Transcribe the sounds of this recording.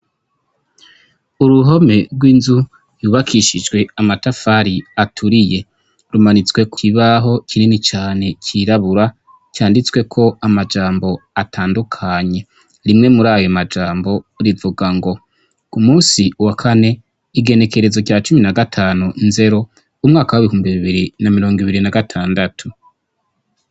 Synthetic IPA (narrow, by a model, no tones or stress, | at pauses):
uɾuɦo̞me̞ɾɡwiːnzu | juβakʰiʃid͡ʒɡwe̞amatafaɾiatʰuɾije̞ | ɾumanit͡swe̞kiβaɦo̞cininit͡ʃaːne̞ciɾaβuɾa | caːndit͡swe̞kʰo̞amad͡ʒaːmbo̞atʰaːndukʰaɲe̞ | ɾimŋe̞muɾaːjomad͡ʒaːmbo̞ɾivuɡaŋɡo̞ | kumuːsiwakʰane̞ | iɡe̞ne̞ke̞ɾe̞zoɟjaːt͡ʃuminaɡatʰaːnunze̞ɾo̞ | umŋaːkawiβihuːmbiβiβiɾinamiɾo̞ːŋɡiβiɾinaɡatʰaːndatʰu